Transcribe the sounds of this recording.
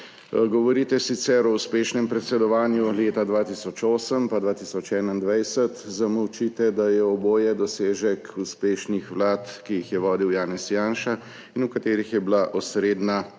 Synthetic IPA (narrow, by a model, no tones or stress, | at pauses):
ɡɔʋɔɾiːt̪ɛsit̪sɛɾɔuspeːʃnɛmpɾɛt̪sɛd̪ɔʋaːnjuleːt̪ad̪ʋaːt̪isɔt͡ʃoːsəmpad̪ʋaːt̪isɔt͡ʃɛːnaind̪ʋɛjsət̪zaməwt͡ʃit̪ɛd̪ajɛɔboːjɛd̪ɔseːʒɛkuspeːʃnixʋlaːt̪kijixjɛʋɔːd̪iwjaːnɛsjaːnʃa | inukat̪eːɾixjɛblaʔɔsɾeːd̪na